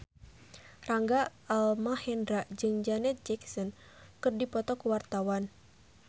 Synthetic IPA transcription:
raŋɡaalmahɛndɾad͡ʒɨŋd͡ʒanɛt̪̚d͡ʒɛksɔn | kɨrdipɔt̪ɔkuwart̪awan

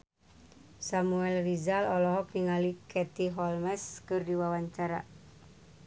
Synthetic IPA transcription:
samuɛlrizalɔlɔɦɔkiŋalikɛt̪iɦɔlmɛskɨrdiwawaɲt͡ʃaɾa

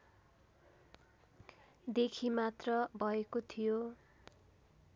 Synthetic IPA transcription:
d̪ekʰimat̪rʌbʱʌekot̪ʰijo

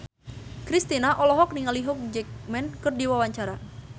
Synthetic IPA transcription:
kɾist̪inaʔɔlɔɦɔk̚niŋaliɦɔk̚d͡ʒɛk̚mɛnkɨrdiwawaɲt͡ʃaɾa

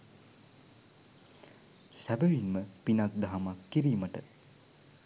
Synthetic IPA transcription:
sæbəʋinməpinak̚d̪aɦamakːiɾiːməʈə

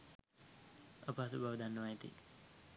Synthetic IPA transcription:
əpəasubʱaʋəd̪anːəʋaet̪ḭ

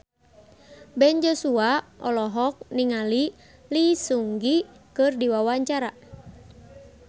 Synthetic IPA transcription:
bɛnd͡ʒɔsuaʔɔlɔɦɔk̚niŋali | lisuŋɡikɨrdiwawaɲt͡ʃaɾa

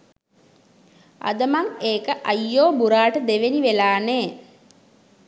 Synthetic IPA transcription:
a̰d̪əmaŋeːkəʔajːoːbuɾaːʈəd̪eʋeniʋelaːneː

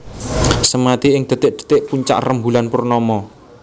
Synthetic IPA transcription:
səmat̪iɪŋd̪̥ə̤t̪ɪʔ̚d̪̥ə̤̥t̪ɪʔpuɲt͡ʃa̰ʔrəmbulanpʊrnɔmɔ

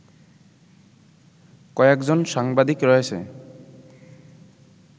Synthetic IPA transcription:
kɔjɛkzɔnsaŋbad̪ikɹɔjasɛ̰

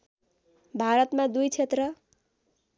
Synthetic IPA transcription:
bʱaɾʌt̪mad̪ujt͡sʰet̪rʌ

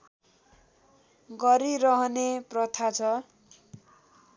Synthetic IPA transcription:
ɡʌɾiɾʌɦʌneprʌt̪ʰat͡sʰʌ

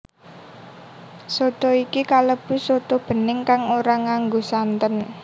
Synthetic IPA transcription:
sot̪ɔikikaləb̥ʊ̤sot̪ɔb̥ə̤nɪŋkaŋoɾaŋaŋɡosant̪ən

